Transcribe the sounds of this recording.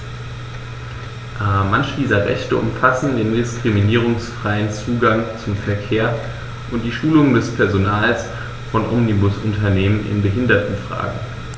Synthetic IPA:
ʔamançəd̥iːzɐʁɛ̰çtəʔʊ̰mfasn̩deːndɪskʁ̥iminiːʁ̞ʊŋsfʁ̥aɪənt͡suːɡaŋt͡sʊmfɛɐkʰeːɐ | ʔʊnt̚d̥iːʃuːlʊŋədɛspʰɛɐzonaːls | fɔnʔɔmnibʊsʊntʰɐneːmənʔɪ̰nbəɦɪndɐtn̩fʁ̥a̰ːɡŋ̩

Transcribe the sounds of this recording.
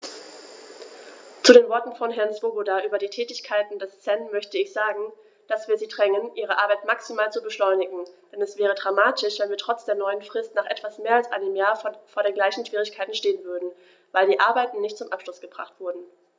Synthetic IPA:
t͡sudeːnvɔɐtn̩fɔnɦɛɐnsv̥obodaʔyːbɐdiːtʰɛːtɪçkʰaɪtn̩dɛst͡sɛnmœçtəɪçz̥aːɡŋ̩ | d̥asv̥iːɐziːdʁɛŋənʔiːʁ̞əʔaɐbaɪtmaksimaːlt͡subəʃlɔʏnɪɡŋ̩d̥ɛnɛsv̥ɛːʁ̞ədʁamaːtʰɪʃv̥ɛnviːɐtʁ̥ɔt͡sd̥eːɐnɔʏənfʁ̥ɪstnaːχʔɛtv̥asmeːɐalsʔa̰ɪnəmjaːɐffoːɐɾeːnɡlaɪçn̩ʃv̥iːʁɪçkʰaɪtn̩ʃteːənvʏɐdn̩ | vaɪldiːʔaɐbaɪtn̩nɪçt̚t͡sʊmʔapʃlʊsɡ̥əbʁ̥a̰χtv̥ʊɐdn̩

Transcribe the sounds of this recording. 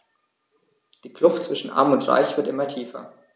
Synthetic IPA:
d̥iːkl̥ʊftt͡sv̥ɪʃn̩ʔa̰ɐmʊntʁa̰ɪçv̥ɪɐtʔɪmɐtʰiːfɐ̰

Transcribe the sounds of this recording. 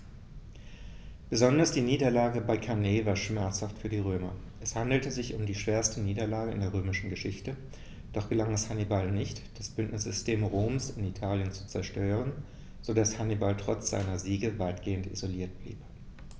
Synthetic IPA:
b̥əzɔndɐsd̥iːniːdɐlaːɡəbaɪkʰaneːvaːɐʃmɛɐt͡shaftfyːɐdiːʁ̞øːmɐ̰ʔɛshandl̩təzɪçʊmdiːʃv̥eːɐstəniːdɐlaːɡəɪ̰ndeːɐʁøːmɪʃn̩ɡəʃɪçtə | d̥ɔχɡ̥əlaŋɛshanibalnɪçtd̥asb̥ʏntnɪsz̥ʏstʰeːmʁoːmsɪnitʰaːljənt͡su̥t͡sɛɐʃtøːʁən | z̥odashanibaltʁ̥ɔt͡sz̥a̰ɪnɐziːɡəvaɪtɡ̥eːəntḭzoliːɐt̚b̥lḭːp

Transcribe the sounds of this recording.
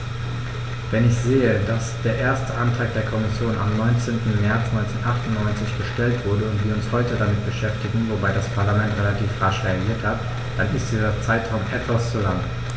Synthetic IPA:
vɛnɪçz̥eːədasd̥eːɐʔeːɐstəʔantʁ̥aːk̚d̥eːɐkʰɔmɪsjoːnʔa̰mnɔʏnt͡seːntn̩mɛɐt͡snɔʏnt͡senʔaχtʊntnɔʏnt͡sɪçb̥əʃtɛltv̥ʊɐdəʊntv̥iːɐʊnshɔʏtədamɪt̚b̥əʃɛftɪɡŋ̩vobaɪdaspʰaɐlamɛntʁelatʰiːfʁaʃʁeaɡiːɐthat | d̥anɪst̚d̥iːzɐt͡saɪtʁ̥aʊmʔɛtv̥ast͡sulaŋ

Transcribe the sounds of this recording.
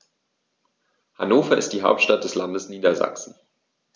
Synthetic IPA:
hanoːfɐɪ̰st̚d̥iːɦaʊp̚tʃtat̚d̥ɛslandəsniːdɐza̰ksn̩

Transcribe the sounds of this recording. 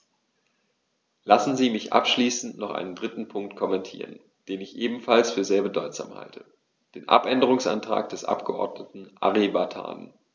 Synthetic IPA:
lasn̩ziːmɪçʔa̰pʃliːsn̩tnɔχʔa̰ɪnəndʁɪtn̩pʰʊŋk̚tkʰɔmɛntʰḭːʁə̰n | d̥eːnɪçʔeːbm̩falsfyːɐzeːɐbədɔʏtz̥a̰ːmha̰ltʰə | d̥eːnʔa̰pʔɛndəʁʊŋsʔa̰ntʁ̥a̰ːk̚d̥ɛsʔa̰pɡ̥əʔɔ̰ɐdnətn̩ʔa̰ʁibatʰa̰ːn

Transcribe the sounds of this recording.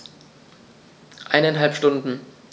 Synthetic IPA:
ʔaɪnanɦalpʃtʊndn̩

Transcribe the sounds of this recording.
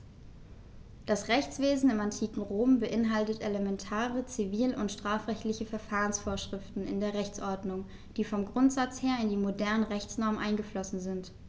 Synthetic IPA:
d̥asʁɛçt͡sv̥eːzn̩ɪmantʰiːkŋ̩ʁoːmbəʔɪnɦaltəteləmɛntʰaːʁət͡siviːlʊntʃtʁ̥aːfʁɛçtlɪçəfɛɐfaːʁənsfoːɐʃʁ̥ɪftn̩ɪ̰ndeːɐʁɛçt͡sʔɔɐdnʊŋ | d̥iːfɔmɡʁʊntz̥at͡sheːɐɪndiːmodɛɐnəʁɛçt͡snɔɐmənʔaɪnɡəflɔsn̩zɪnt

